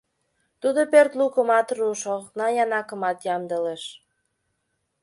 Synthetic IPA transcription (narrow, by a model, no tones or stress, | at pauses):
t̪ud̪opørt̪lukəmɑt̪ruʃonɑjɑnɑkə̆mɑt̪jɑmd̪əleʃ